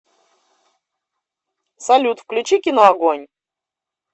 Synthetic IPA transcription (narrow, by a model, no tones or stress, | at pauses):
sɐlʲut̪fklʲʉt͡ɕikʲɪnəɐɡonʲ